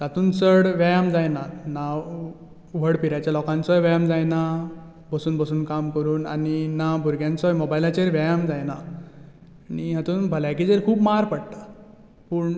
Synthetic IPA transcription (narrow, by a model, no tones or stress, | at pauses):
t̪at̪uːnsəɽʋjajamd͡zajnana | ʋəɽpiɾat͡ɕalɔkãnt͡sɔjʋajamd͡zajna | bəsuːnbəsuːnkamkəɾuːnaninabʱuɾɡjãnt͡sɔjmobailat͡ɕeɾʋajamd͡zajna | niɦat̪uːnbʱəlakiːd͡zeɾkʰuːbmaɾpəɽt̪ḁ | puːɳ